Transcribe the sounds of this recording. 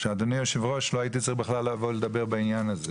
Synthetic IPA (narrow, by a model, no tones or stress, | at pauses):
ʃead̪onijoʃevʁo̞ʃloajit̪it͡sibeχlalːavoled̪abe̞ʁbainjanaze